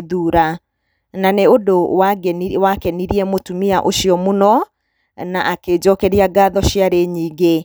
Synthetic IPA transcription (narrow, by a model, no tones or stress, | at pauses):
ðuːɾa | naneodowaɡwakɛniɾiɛmotumiaʔoʃijɔmonɔ | naʔaked͡ʑɔkɛɾiaɡaːðɔɕjaɾeɲiːɡe